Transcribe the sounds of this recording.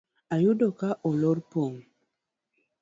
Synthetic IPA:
ajudokaʔɔloɾpoŋ

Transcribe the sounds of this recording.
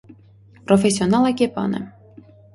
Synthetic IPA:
pɾofʲesʲːionɑlˠakʲepɑ̰nə̰

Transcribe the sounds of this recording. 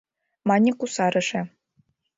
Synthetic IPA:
mɑnʲikusɑɾɤ̆ʂĕ

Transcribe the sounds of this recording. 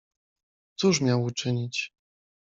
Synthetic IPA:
t̪suʂmʲjawut͡ʂɘɲit͡ɕ

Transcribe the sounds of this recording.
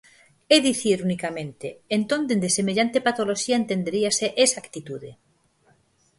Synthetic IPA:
eðiθiɾunikamẽnt̪eːnt̪ond̪end̪esemeʎant̪epat̪oloʃiaent̪end̪eɾiaseʔesakt̪it̪uðe

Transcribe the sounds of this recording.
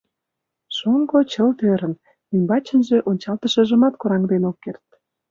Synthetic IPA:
ʃoŋɡot͡ɕəlt̪øɾə̆n | ymʲbɑt͡ɕə̆nʒeʔonʲt͡ɕɑlt̪ə̆ʃə̆ʒə̆mɑt̪koɾɑŋd̪enokːert̪̚

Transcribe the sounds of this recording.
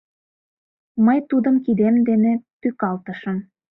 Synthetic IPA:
məjt̪ud̪ə̆mkid̪emd̪enet̪ykɑlt̪ə̆ʃə̆m

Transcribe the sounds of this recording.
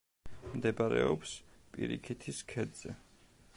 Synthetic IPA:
md̪ɛbaɾɛɔps | pʼiɾikʰit̪ʰiskʰɛd̪z̥ɛ

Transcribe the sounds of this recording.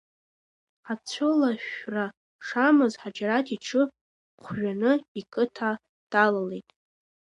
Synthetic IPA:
ħat͡sʷʰʊlaʃra | ʂamɨzħad͡ʒaɾatʰiʈ͡ʂʰɨ | χʷʰʒʷᶣanɨikʼɨtʰa | d̥alalejtʼ

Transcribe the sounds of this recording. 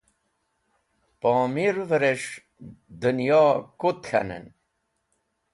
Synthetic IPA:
pɔːmiɾvəɾeʂ | d̪ənjoːkut̪xʰa̰nḛn

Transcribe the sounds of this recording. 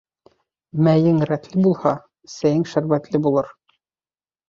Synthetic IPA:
mæjɘŋɾæt̪lɘbulˠhɑ | sæjɘŋʃæɾbæt̪lɘbulˠɤɾ

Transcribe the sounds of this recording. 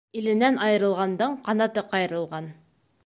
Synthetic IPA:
ilɘ̆nænɑjɤ̆ɾɤ̆lˠʁɑnd̪ɤɴqʰɑnɑt̪ɤqɑjɤ̆ɾɤ̆lˠʁɑn

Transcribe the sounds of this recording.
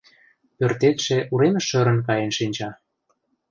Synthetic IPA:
pørt̪et̪ʃeʔuɾemĕʃə̆ɾə̆nkɑjenʃinʲt͡ɕɑ

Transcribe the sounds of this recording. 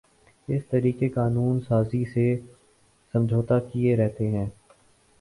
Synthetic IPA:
ɪst̪ɐɾiːkekaːnuːnsaːzise | sɐ̃md͡ʒʱoːt̪akieɾɛɦt̪eɦɛ̃ː

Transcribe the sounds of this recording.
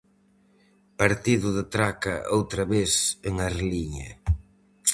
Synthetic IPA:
paɾt̪iðʊðɪt̪ɾakɐ̰ʔowt̪ɾɐβeseŋaɾliɲɐ̰

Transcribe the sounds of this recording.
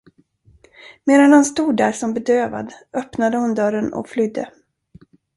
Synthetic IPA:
meːɾanhʊnst̪uːɖæɾʂɔmbɛd̪øːva̰d̪ʔœpnad̪əhʊnd̪œɾənɔ̰kflʏd̪ːə

